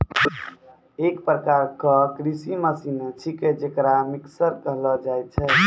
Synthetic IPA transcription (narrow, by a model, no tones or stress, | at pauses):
ekpɾəkaɾkəkɾisiməsinet͡ʃʰiked͡ʒekɾamiksəɾkəɦlɔd͡ʒajt̪̚t͡ʃʰɛ